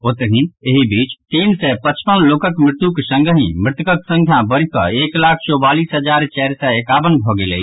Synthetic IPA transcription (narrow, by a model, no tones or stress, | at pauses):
ot̪ɦĩeɦibiːt͡ʃt̪iːnsɛpət͡ʃpənloːkəkmɾɪt̪uksə̃ŋɡəɦĩmɾɪt̪əkəksə̃ŋkʰjãbəɾikə̰eːklaːkʰt͡ʃobaːliːsɦəd͡ʒaːɾt͡ʃɛːɾsɛeːkaːʋənbʱoɡelḛ